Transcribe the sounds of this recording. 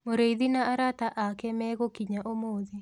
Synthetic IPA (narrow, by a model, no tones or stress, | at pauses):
moɾeiðinaʔaɾataʔakɛmɛɣokiɲaʔomoːði